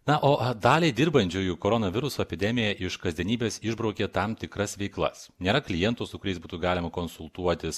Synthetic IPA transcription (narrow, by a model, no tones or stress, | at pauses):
nɐʔoːʔd̪ɑːlʲeɪd̪ʲɪɾbɐnʲt͡ʃʲuːjuːkoːɾoːnɐʋʲɪɾʊsoːɛpʲɪd̪ʲɛmʲɪjɛʔɪʃkɐzʲd̪ʲɛnʲiːbʲeːsɪʒbɾɒʊkʲet̪ɐmt̪ʲɪkɾɐsʋʲɛɪklˠɐ̰snʲeːɾɐklʲɪjɛnt̪ʊsʊkʊɾʲɛɪsbuːt̪uːɡɑːlʲɪmɐkonsʊlˠt̪uɔt̪ʲɪs